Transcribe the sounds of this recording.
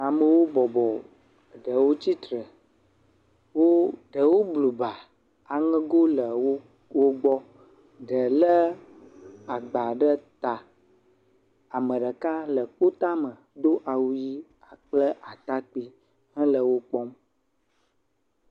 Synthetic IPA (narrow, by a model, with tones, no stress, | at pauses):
a˨mə˨wo˦bɔ˨bɔ˨ | ɖə˨wo˦t͡ɕi˦t̪ɾə˨ | wo˦ɖə˨wo˦blu˨ba˨ | a˨ŋə̃˦ɡo˦lə˨wo˦ | wo˦ɡ͡bɔ˦ | ɖə˨lə˦ | a˨ɡ͡ba˨ɖə˦t̪a˨ | a˨mə˨ɖə˨ka˦lə˨k͡po˦t̪a˦mə˨d̪o˦ʔa˨wu˦ji˦ | a˨k͡plə˦ʔa˨t̪a˦k͡pi˦ | ɦə̃˦lə˨wo˦k͡pɔ˦m